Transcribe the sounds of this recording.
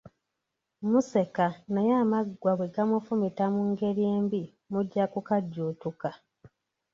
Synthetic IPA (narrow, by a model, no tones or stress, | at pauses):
muse̞kanajaːmaɡwaβweɡamufumitamuŋɡe̞ɾjeːmbi | muɟːakukaɟːuːtuka